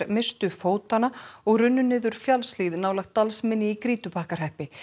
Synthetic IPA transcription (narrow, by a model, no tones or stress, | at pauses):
mɪst̪ʏfoːwt̪anaɔɣrʏnːʏnɪːðʏɾ̥fjalsliðnaːwlajxt̪ːalsmɪnːɪikɾiːt̪ʏpahkaɾ̥hɛhpɪ